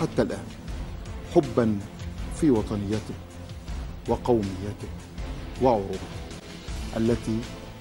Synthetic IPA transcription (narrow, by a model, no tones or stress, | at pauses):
ħat̪ːalʔaːn | ħʊbːanfiːwɑt̪ˤɑnɪjːat̪ɪ | wɪqɑwmɪjːat̪ɪk | wɪʕʊɾuːb | ʔalːat̪iː